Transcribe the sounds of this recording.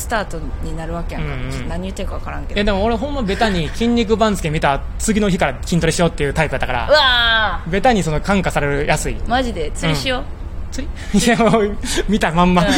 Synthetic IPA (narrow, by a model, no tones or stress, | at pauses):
sɨ̥t̪aːt̪o̞ | ɲinaɾɯ̟βake̞jaɯŋ̃kãnaɲ̟ijɯ̟t̪ːekaβakaɾãŋkejad̪e̞moːɾeɦõ̞mːabe̞t̪aɲ̟ikʲĩɲʲɾʲik̬ɯ̟bãnd͡zɨ̥kʲemʲit̪a | t͡sɨɡʲino̞çikaɾakʲĩnt̪oɾiɕijo̞ːt̪ːe̞jɯ̟ːt̪aipɯat̪ːakːaɾa̰ɯabe̞t̪aɲ̟iso̞no̞kãŋkasaɾe̞ɾɯ̟jʔasɨimaʑid̪e̞t͡sɨĩɕio | t͡sɨiieomʲit̪amãmːa